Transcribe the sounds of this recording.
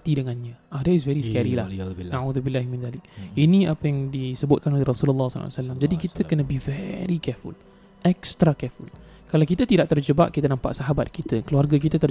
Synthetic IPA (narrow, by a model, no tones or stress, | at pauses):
t̪idəŋanɲə̃ʔadais̬vɛɾiskɛɾilahnauðubilːahmĩnðalɪk̚inĩapəjaŋdisəbʊt̪̚kanolehrɔsuləlːasɔ̰la̰salamd͡ʒadikit̪ʰəkənə̃bivɛɾikɛfṵl | ʔɛkst̪ɾakɛful | kalawkit̪ət̪idaʔt̪ərd͡ʒəba̰ʔkit̪anampa̰ʔsaɦabat̪̚kit̪əkəluarɡak̬it̪ət̪ə